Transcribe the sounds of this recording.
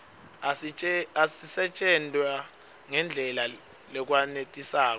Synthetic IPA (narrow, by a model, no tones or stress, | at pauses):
asisɛt͡ʃʼɛndʱʼwa | ŋɛnd͡ɮʱɛla | lɛk̬wanetʼisaːk̬ɔ